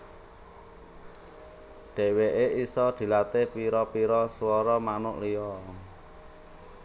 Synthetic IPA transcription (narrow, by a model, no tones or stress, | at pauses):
ɖ̪̥ɛ̤weʔeisɔd̪̥i̤lat̪ɪhpiɾɔpiɾɔsuɔɾɔmanʊʔliɔ